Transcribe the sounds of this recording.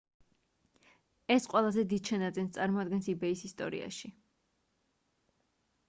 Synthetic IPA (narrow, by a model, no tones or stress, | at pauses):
ɛsqʼwɛlˠazɛd̪id̪ʃanat̪ziɛnst̪sʼaɾmɔad̪̚ɡɛnsibɛisist̪ʼɔ̰ɾḭa̰ʃi